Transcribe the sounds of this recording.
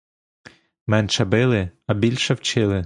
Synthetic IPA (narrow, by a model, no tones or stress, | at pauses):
mɛnʃɛbɪlˠɪɐbʲilʲʃɛwt͡ʃɪlˠɪ